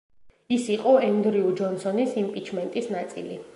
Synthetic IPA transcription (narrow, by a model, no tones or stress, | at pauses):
isiqʼɔɛnd̪ɾiud͡ʒɔnsɔnisimpʼit͡ʃʰmɛnt̪ʼisnat̪sʼḭlḭ